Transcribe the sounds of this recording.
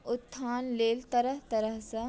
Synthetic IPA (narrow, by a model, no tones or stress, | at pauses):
ʊt̪ʰːaːnleːlt̪ɐɾəɦt̪ɐɾəɦsɐ